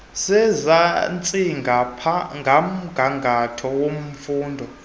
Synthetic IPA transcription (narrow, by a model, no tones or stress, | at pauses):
sɛzant͡sʼiŋɡʱapʰaŋʱam̩ɡ̥ʱaŋɡʱatʰɔwom̩fuːndʱɔ